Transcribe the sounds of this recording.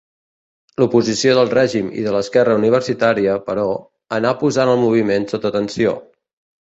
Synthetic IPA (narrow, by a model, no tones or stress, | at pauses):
lupuzisioðəlˠrɛʒimḭðələskɛrəuniβ̞əɾsit̪aɾiəpəɾɔ | ənapuzanəlˠmuβ̞imensot̪əːt̪ənsio̰